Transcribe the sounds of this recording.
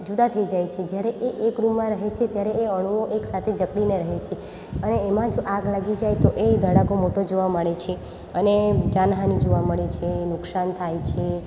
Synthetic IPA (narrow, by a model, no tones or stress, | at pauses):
d͡ʒud̪at̪ʰəid͡ʒajt͡ʃʰed͡ʒjaɾeʔeʔekɾumːãɾəɦet͡ʃʰet̪jaɾeːəɽ̃uʋoʔeksat̪ʰed͡ʒəkɽineɾəɦet͡ʃʰe | əneːmãd͡ʒoʔaɡlaɡid͡ʒajt̪oʔed̪ʱəɽaɡomoʈod͡ʒoʋaməɭet͡ʃʰe | əned͡ʒanɦanid͡ʒoʋaməɭet͡ʃʰenʊksant̪ʰajt͡ʃʰe